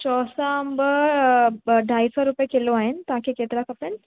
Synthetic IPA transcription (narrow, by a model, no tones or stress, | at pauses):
t͡ɕɔsambəɾ | ɖʱaijsɔɾupjekeloaɦent̪ãkʰeket̪ɾakapəɳ